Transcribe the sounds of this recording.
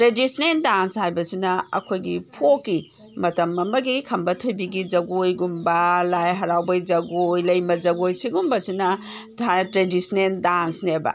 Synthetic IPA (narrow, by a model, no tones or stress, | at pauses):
tɾedisneldanshajbɐsinɐɐ̰kʰojɡḭpʰokːi | mɐtɐmɐmɐɡikʰɐmbɐtʰojbiɡid͡ʒɐɡojɡumbɐlajɦɐɾawbɐjd͡ʒɐɡojlɐjmɐd͡ʒɐɡojsiɡumbɐsinɐ | tɾedisneldansnebɐ̰